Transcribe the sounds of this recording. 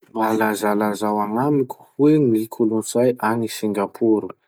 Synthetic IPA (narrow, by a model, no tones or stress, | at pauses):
malazalazawaŋamikʲʰu̥wenikʰulunt͡sajʔanisiŋɡapʰuɾu